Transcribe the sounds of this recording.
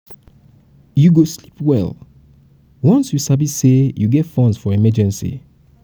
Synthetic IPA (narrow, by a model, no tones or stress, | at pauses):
juɡoslipwɛ̰l | wɔ̃nsjusabissejuɡɛtfɔ̃nsfɔɹimɛd͡ʒɛ̃nsḭ